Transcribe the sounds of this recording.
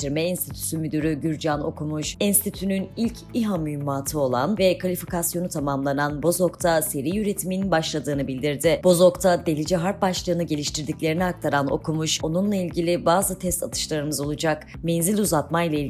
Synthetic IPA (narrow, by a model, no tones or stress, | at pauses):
iɾmɛinst̪ʰit̪ʰy̥symyd̪yɾyɟyɾd͡ʒano̞̰kʰumuʃinst̪it̪ʰynynilʲc | iɦamymaːt̪ʰɯo̞lˠanvɛkʰalʲifikasjo̞nut̪ʰamamlˠananbo̞zo̞kt̪ʰase̞ɾijjyɾe̞t̪ʰimininbaʃlˠad̪ɯːnɯbilʲd̪iɾd̪ɪb̥o̞zo̞kt̪ʰad̪e̞lʲid͡ʒɛɦaɾp̚baʃlˠɯːnɯɟe̞lʲiʃt̪ʰiɾd̪iclʲe̞ɾiniak̚t̪ʰaɾano̞̰kʰumuʃo̞nunlˠailʲɟilʲibaːzɯt̪ʰɛst̪ʰat̪ʰɯ̥ʃlˠaɾɯmɯzo̞lˠud͡ʒakmenzilʲuzat̪majlˠail